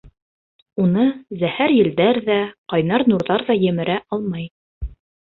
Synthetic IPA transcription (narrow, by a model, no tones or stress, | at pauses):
unɤzæhæɾjɘ̆ld̪æɾðæqɑjnɑɾnuɾðɑɾðɑjɘ̆mɘ̆ɾæʔɑlˠmɑj